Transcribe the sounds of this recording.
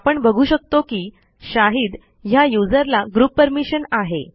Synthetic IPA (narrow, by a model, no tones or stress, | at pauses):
apəɳbəɡʱuːɕək̚t̪okiː | ɕaɦiːd̪ | ɦjajud͡zəɾlaɡɾupːəɾmiɕənaɦe